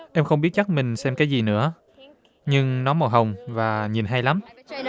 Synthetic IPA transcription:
ʔɛ˧mxə˧wŋ͡mɓi˦˥ət̚t͡ɕa˦˥k̚mï˨˩ŋ̟sɛ˧mkaː˨˦jzi˨˩nɨ̰˧˥ə | ɲɨ˧ŋnɔ˨˦mo˨˩ɦə˨˩wŋ͡mvaː˨˩ɲi˨˩nɦa˧jla˨˦m

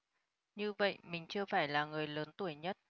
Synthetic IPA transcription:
ɲɨ˧və̰˧˨jmï˨˩ŋ̟t͡ɕɨ˧əfaː˧˩jlaː˨˩ŋɨ˨˩əjləː˨˦nt̪u˧˩əjɲə˦˥t̚

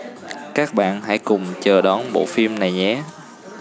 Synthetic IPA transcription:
kaː˦˥k̚ɓa̰ː˧˨nɦa̰˧˥jkʊ˨˩ŋ͡mt͡ɕəː˨˩ɗɔ˨˦nɓo̰˧˨fi˧əmna˨˩jɲɛ̰˧˨˦

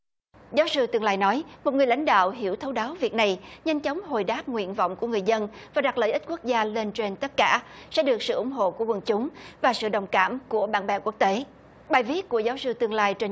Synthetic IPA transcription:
zaː˨˦wsɨ˧t̪ɨ˧əŋlaː˧jnɔ˨˦jmo˨˩t̚ŋɨ˨˩əla̰˧˥jŋ̟ɗa̰ː˧˨wɦi˧˥əwt̪ʰə˨˦wɗaː˨˦wvi˨˩ək̚na˨˩jɲə˧ŋt͡ɕə˨˦wŋ͡mɦo˨˩jɗaː˦˥p̚ŋwḭ˧˨ənvɔ̰˧˨wŋ͡mku˧˩əŋɨ˨˩əjzə˧nvaː˨˩ɗa˨˩k̚lə̰ː˧˨jʔi˦˥t̚ku˦˥ək̚zaː˧le˧nt͡ɕe˧nt̪ə˦˥t̚kaː˧˩˨sɛ̰˧˥ɗɨ˨˩ək̚sɨ̰˧˨ʔʊ̰˧˩˦ŋ͡mɦo̰˧˨ku˧˩əwə˨˩nt͡ɕʊ˨˦ŋ͡mvaː˨˩sɨ̰˧˨ɗə˨˩wŋ͡mkaː˧˩mku˧˩əɓa̰ː˧˥nɓɛ˨˩ku˦˥ək̚t̪e˨˦ | ɓaː˨˩jvi˦˥ət̚ku˧˩əzaː˨˦wsɨ˧t̪ɨ˧əŋlaː˧jt͡ɕe˧

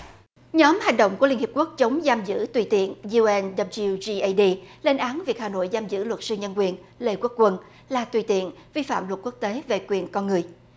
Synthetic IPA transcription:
ɲɔ˨˦mha˨˩jŋ̟ɗo̰˧˨wŋ͡mkəli˧nhi˨˩p̚ku˦˥ək̚t͡ɕə˨˦wŋ͡mzaː˧mzɨ̰˧˥t̪wi˨˩t̪ḭ˧˨ənzu˧ɛ˧nɗə˧pzi˧zi˧ʔa˧ɗi˧le˧nʔaː˨˦nvi˨˩ək̚haː˨˩no̰˧˨jzaː˧mzɨ̰˧˥lwə˨˩t̚sɨ˧ɲə˧nkwi˨˩ənle˧˩kwu˦˥k̚kwə˧n | laː˨˩t̪wi˨˩t̪ḭ˧˨ənvi˧fa̰ː˧˨mlə˨˩t̚ku˦˥ək̚t̪e˨˦ve˨˩kwi˨˩ənkɔ˧nŋɨ˨˩əj

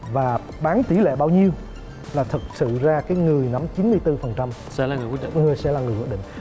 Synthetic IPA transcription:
vaː˨˩ | ɓaː˨˦nt̪i˧˩˦lḛ˧˨ɓaː˧wɲi˧əw | laː˨˩t̪ʰə˨˩k̚sɨ̰˧˨zaː˧kaː˨˦jŋɨ˨˩əjna˨˦mt͡ɕi˨˦nmɨ˧əjt̪ɨ˧fə˨˩nt͡ɕa˧msɛ̰˧˥laː˨˩ŋɨ˨˩kwɗ̰ŋɨ˨˩əjsɛ̰˧˥laː˨˩ŋɨ˨˩jkw̚ɗ̰ŋ

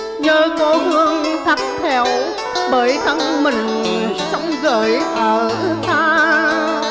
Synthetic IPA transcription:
ɲəː˧˩ko˧˦hɨ˧əŋt̪ʰa˨˩t̚t̪ʰɛ˧˩w | ɓəː˨˦jka˨˧˥k̚mï˨˩ŋ̟sə˧˦wŋ͡mɣəː˧˦jʔəː˧˩t̪ʰɨ˨˧˦t̪ʰaː˨˦˥

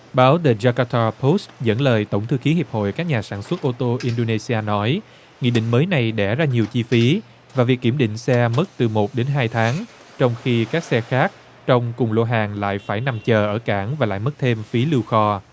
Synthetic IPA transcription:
ɓaː˨˦wt̪e˨˩zaː˧kaː˧t̪ʰaː˧pʰo˦˥szə̰˧˥nləː˨˩jt̪o˧˩wŋ͡mt̪ʰɨ˧xi˨˦hi˨˩əp̚ho̰˧˨jkaː˦˥k̚ɲaː˨˩saː˧˩nswə˦˥t̚ʔo˧t̪o˧ʔi˧nɗo˧ne˧si˧aː˧nɔ˨˦j | ŋḭ˧˨ɗḭ̈˧˨ŋ̟məː˨˦jna˨˩jɗɛ˧˩zaː˧ɲi˨˩əwt͡ɕi˧fi˨˦ | vaː˨˩vi˨˩əkːi˧˩əmɗḭ̈˧˨ŋ̟sɛ˧mə˦˥t̚t̪ɨ˨˩mo˨˩t̚ɗe˨˦nɦaː˧jt̪ʰaː˨˦ŋ | t͡ɕɔ˧wŋ͡mxi˧kaː˦˥k̚sɛ˧xaː˦˥k̚ | t͡ɕɔ˧wŋ͡mkʊ˨˩ŋ͡mlo̰˧˨ɦaː˨˩ŋla̰ː˧˨jfaː˧˩jna˨˩mt͡ɕəː˨˩ʔəː˧˩kaː˧˩ŋvaː˨˩la̰ː˧˨jmə˦˥t̚t̪ʰe˧mfi˨˦lɨ˧wxɔ˧

